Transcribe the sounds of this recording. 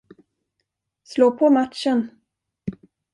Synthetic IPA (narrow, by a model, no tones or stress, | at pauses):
sloːpʰɔmat̪ʂən